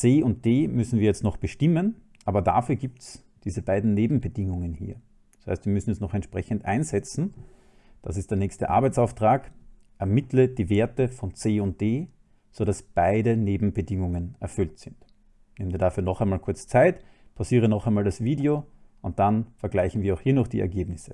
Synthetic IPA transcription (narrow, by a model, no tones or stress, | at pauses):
t͡seːʊnt̚d̥eːmʏsn̩viːɐjɛt͡stnɔχb̥əʃtɪmən | ʔaːbɐda̰fyːɐɡiːp̚ts | d̥iːzəbaɪdn̩neːbm̩bədɪŋʊŋənhḭːɐ | d̥asha̰ɪstv̥iːɐmʏsn̩ɛsnɔχɛntʃpʁɛçəntʔa̰ɪnzɛt͡sn̩ | d̥a̰sɪstd̥eːɐnɛːçstəʔa̰ɐbæɛɪt͡saʊftʁ̥aːk | ʔɛɐmɪtləd̥iːveːɐtəfɔnt͡seːʊnt̚d̥eː | z̥oɾasb̥aɪɾəneːbm̩bədɪŋʊŋənɛɐfʏltz̥ɪnt | neːmənviːɐdafyːɐnɔχæɪnmaːlkʰʊɐt͡st͡saɪtpʰasiːʁ̞ənɔχaɛɪnmaːldasv̥iːdeo | ʊnt̚d̥anfɛɐɡlaɪçn̩viːɐaʊhiːɐnɔχd̥ḭːʔɛ̰ɐɡeːbnɪsə